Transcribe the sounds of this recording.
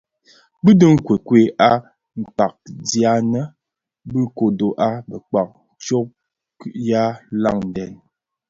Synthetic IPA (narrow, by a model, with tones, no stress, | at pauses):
bɨ˦də˦ŋ̩˦kwe˨kwe˨ʔa˦ | ŋ̩˨k͡pa˨k̚dja˨˦nə˦ | bɨ˦ko˨do˨ʔa˦bə˨k͡pa˨k̚t͡ʃo˦p̚ | kʉ˦ʔja˦la̰˦˨ŋn˨dɛ˨n